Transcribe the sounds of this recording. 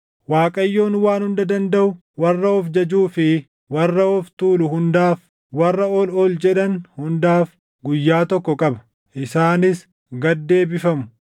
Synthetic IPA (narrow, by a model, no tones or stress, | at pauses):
waːkʼɐjːo̞ːnwaːnhʊnd̪ɐd̪ɐnd̪ɐʔʊ | wɐrːɐɔfd͡ʒɐd͡ʒuːfɪ | wɐrːɐɔft̪uːlʊhʊnd̪aːf | wɐrːɐɔloːld͡ʒɛᶑɐnhʊnd̪aːf | ɡʊjːaːt̪ɔkːɔkʼɐbɐ̥ | ʔɪsaːnɪs | ɡɐd̪ːe̞ːbɪfɐmʊ̥